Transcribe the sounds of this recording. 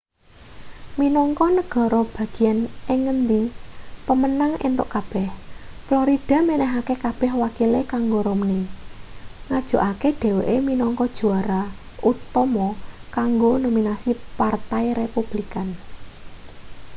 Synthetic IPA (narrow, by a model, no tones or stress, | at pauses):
minɔŋkɔnəɡ̥ɔ̤ɾɔb̥ä̤ɡ̥i̤ɛneŋːənd̪ipəmənaŋḛnt̪ʊ̰ʔkab̥ɛhfloɾid̪̥a̤menɛɦakekab̥ɛ̤hwakilekaŋɡoɾomni | ŋad̥ʒ̥o̤ʔakeɖ̥ɛ̤weʔeminɔŋkɔd̥ʒ̥ṳaɾa | ut̪ɔmɔkaŋɡonominasipart̪ajɾepub̥likan